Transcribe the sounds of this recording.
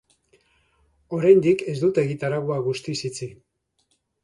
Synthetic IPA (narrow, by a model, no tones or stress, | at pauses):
o̞ɾajnd̪ike̞zd̪ut̪e̞ɣit̪aɾaɣoaɣust̪isit͡si